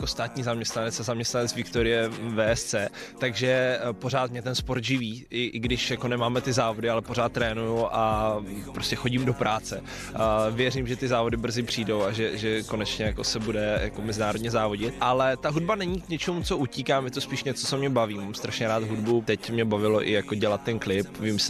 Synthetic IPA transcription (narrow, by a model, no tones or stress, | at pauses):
jako̞st̪aːt̪ɲiːzamɲɛst̪nanɛt͡sazamɲɛst̪nanɛt͡svɪkt̪oɾɪjɛvɛːɛst͡sɛːt̪aɡʒɛpo̞ɾ̝aːt̪mɲɛt̪ɛnspoɾt̪ʒɪviːʔɪʔɪɡdɪʃjakonɛmaːmɛt̪ɪzaːvo̞dɪalɛpo̞r̝aːt̪̚ːɾɛːnujuʔapɾoscɛxo̞ɟimdo̞pɾaːt͡sɛ | vjɛrimʒɛt̪ɪzaːvo̞dɪbr̩zɪpr̝̥iːdo̞waʒɛʒɛko̞nɛt͡ʃɲɛjako̞sɛbudɛja̰ko̞mɛzɪnaːɾodɲɛzaːvo̞ɟɪt̪̚ʔalɛt̪aɦud̚banɛɲiːkɲɛt͡ʃɛmut͡so̞ʔuciːkaːmjɛt̪ospiːʃɲɛt͡sot͡somɲɛbaviːmaːmst̪ɾaʃɲɛɾaːt̪ɦudbut̪ɛcmɲɛbavɪloʔɪjakoɟɛlat̪̚ːɛnklɪpvɪms